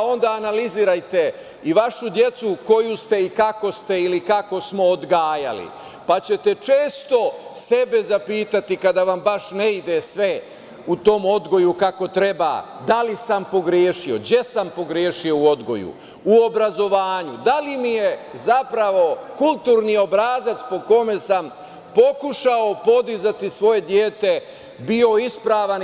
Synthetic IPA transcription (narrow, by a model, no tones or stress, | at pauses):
o̞nd̪aːnaliziːɾajt̪e̞ | iʋaʃud̪je̞t̪suko̞just̪e̞ikako̞st̪e̞ilikako̞smo̞ːd̪ɡaːja̰lḭ | pat͡ɕe̞t̪e̞t͡ʃe̞ːst̪o̞se̞be̞zapiːt̪at̪ikad̪aʋambaʃneid̪esʋe̞ | ut̪o̞ːmo̞d̪ɡo̞jukako̞t̪ɾe̞ba̰ | d̪alisampo̞ɡɾjeːʃio̞ɡjesampo̞ɡɾjeːʃio̞uo̞d̪ɡo̞̰jṵ | uo̞bɾazo̞ʋaːɲud̪alimijezapɾaʋo̞kult̪uːɾniːo̞bɾaːzat̪spo̞ko̞me̞sam | po̞kuʃao̞po̞d̪izat̪isʋo̞je̞d̪jeːt̪e̞ | bio̞ispɾaːʋan